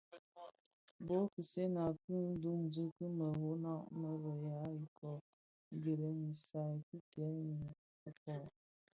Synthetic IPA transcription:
bo˨˦ki˨se˦na˨ki˦n˦du˦ŋd͡zu˦kə˦mə˨ɦo˦na˦˨ʔmə˦ɾə˨ja˨˦i˨kʰɔ˨ | ɡe˨lə˨mi˨sa˨ki˦tɛ˨˦mi˨ | u˦kɔ˨

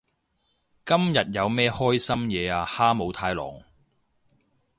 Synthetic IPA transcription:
kɐ˥mjɐ˨t̚jɐ˨˧wmɛː˥hɔː˥jsɐ˥mjɛː˨˧aː˧haː˥mo˨˧wt̪ʰaː˧jlɔ̰ː˨˩ŋ

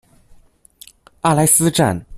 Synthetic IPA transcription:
a˥˧la˥˩ɪsɹ̩˥ʈ͡ʂa̰˥˧˩n

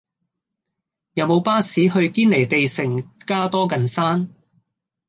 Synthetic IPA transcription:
jɐ˨˧wmo˨˧wpaː˥siː˨˥ɦɵ˧ɥkiː˥nle˨˩jt̪e˨jsɪ˨˩ŋkaː˥t̪ɔː˥kɐ˨nsaː˥n

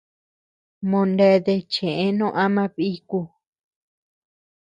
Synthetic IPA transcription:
mõ˧nde˧˦ðe˧t͡ʃẽ˨ʔẽ˦nõ˦˧˦ʔa˦mã˦˧βi˦ku˧

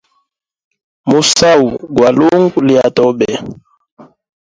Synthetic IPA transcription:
mu˨sa˦u˨ɡwa˨lu˦ŋɡu˦li˨a˨tɔ˦bɛ˨

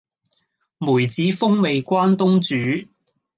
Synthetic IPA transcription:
muː˨˩jt͡siː˨˥fʊ˥ŋme˨jkʷaː˥nt̪ʊ˥ŋt͡syː˨˦

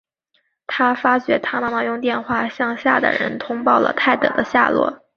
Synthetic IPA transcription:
t̪ʰa˥fa˥t͡ɕɥɛ˧˥t̪ʰa˥ma˥ma˧jʊ˥˧ŋt̪jɛ˥˧nxwa˥˧˩ɕjɑ˥˧ŋɕja̰˥˩d̪ə̰˩ɻə̰˧˥nt̪ʰʊ˥ŋpɑ˥˩ʊlə̰˩t̪ʰa˥˩ɪt̪ɤ̰˨˩d̪ə˦ɕja̰˥˧lwɔ̰˥˩

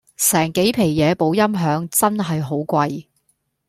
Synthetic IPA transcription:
sɛː˨˩ŋke˨˥jpʰe˨˩jjɛː˨˧po˨˥wjɐ˥mɦœː˨˧˥ŋt͡sɐ˥nɦɐ˨jɦo˨˧˥wkʷɐ˧j

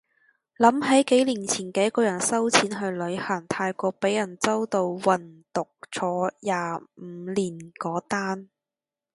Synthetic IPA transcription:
lɐ˨˥mɦɐ˨˥jke˨˥jliː˨˩nt͡sʰiː˨˩nkɛː˨˧˥kɔː˧jɐ˨˩nsɐ˥wt͡sʰiː˨˥nɦɵ˧ɥlɵ˨˧ɥhɐ˨˩ŋt̪ʰaː˧jkʷɔː˧k̚pe˨˥jːɐ˨˩nt͡sɐ˥wt̪o˧wwɐ˨˩nt̪ʊ˨k̚t͡sʰɔː˨˥jaː˨˧m̩˨˦liː˨˩nkɔː˨˥t̪aː˥n

